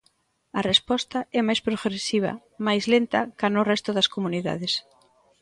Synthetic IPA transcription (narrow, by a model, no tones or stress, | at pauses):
ɐrespɔst̪ɐɛmajspɾoɣɾesiβ̞ɐ̰ | majzlent̪ɐkanʊrɛst̪ʊðɐskomuniða̰ðɪs